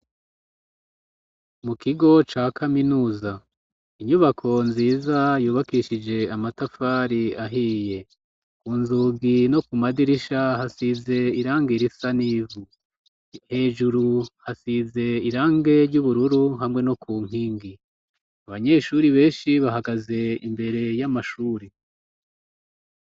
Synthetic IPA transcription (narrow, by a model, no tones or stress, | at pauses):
mukʰiɡo̞t͡ʃaːkʰaminuːza | iɲuβakʰo̞nziːzajuːβakiʃid͡ʒe̞amatafaɾiaɦiːje̞ | kuːnzuːɡino̞kumadiɾiʃahasize̞iɾaːŋɡiɾisaniːvu | he̞ːʒuɾuhasize̞iɾaːŋɡe̞ɾɟuβuɾuɾuɦamŋe̞no̞kuːŋ̥iːŋɡi | aβaɲe̞ːʃuɾiβe̞ːnʃiβaɦaɡaze̞ḭmbe̞ɾe̞jamaʃuːɾi